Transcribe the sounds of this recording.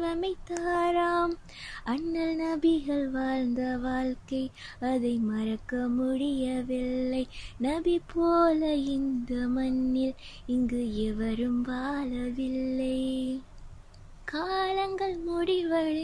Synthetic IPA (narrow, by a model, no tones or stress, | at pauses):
ʋɐmɐɪt̪ːaːɾaːm | ɐɳːɐlnɐbɪɣɐɭʋaːɻnd̪ɐʋaːlkɐɪ | ɐðɐɪmɐɾɐkːɐmʊɽɪjɐʋɪlːɐɪnɐbipoːlɐɪnd̪ɐmɐnːɪl | ɪŋɡɯɛʋɐɾɯmʋaːlɐʋɪlːɐɪ | kaːlɐŋɡɐɭmʊɽɪʋɐɻ